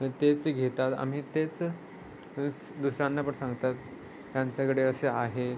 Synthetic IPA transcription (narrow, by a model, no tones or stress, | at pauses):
ə̃t̪et͡sɡʱet̪at̪a̰m̤iːt̪et͡s | d̪uɕɾãnːapəɳsãŋɡt̪at̪ | jaɲt͡ɕjakəɽeəseaɦe